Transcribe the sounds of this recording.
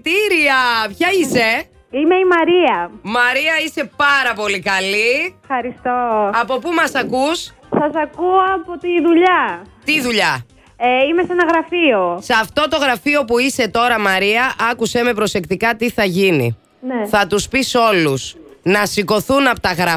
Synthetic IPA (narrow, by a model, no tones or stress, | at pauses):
t̪iɾiɐpçɐise̞ | ime̞imɐɾiɐmɐɾiɐise̞pɐɾɐpo̞likɐlifxɐɾist̪oɐpo̞pumɐsɐkus | sɐsɐkuɐpot̪iðuʎɐt̪iðuʎɐ | eimesɐnɐɣɾɐfiosɐft̪o̞t̪o̞ɣɾɐfio̞puise̞t̪o̞ɾɐmɐɾiɐʔɐkuseme̞pɾo̞se̞kt̪ikɐt̪iθɐʝinḭ | neθɐt̪uspiso̞lusnɐsiko̞θunɐpot̪ɐɣɾɐ